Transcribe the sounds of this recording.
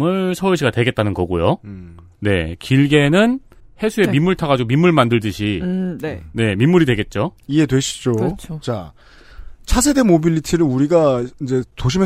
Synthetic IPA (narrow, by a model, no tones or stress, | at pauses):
mɯɭsʰʌuɭɕʰiɡatwe̞ɡet̚t͈anɯnɡʌɡujo | ne̞̰kiɭɡe̞nɯn | he̞sʰue̞mimːuɭtʰaɡad͡ʑiɡomimːuɭmandɯɭdɯɕʰinne̞mimːuɾidwe̞ɡe̞t̚t͡ɕ͈oie̞dwe̞ɕʰi̥d͡ʑot͡ɕʰot͡ɕa̰ | t͡ɕʰasʰe̞de̞mobiʎːitʰiɾɯnuɾiɡaind͡ʑe̞toɕ̬ʰime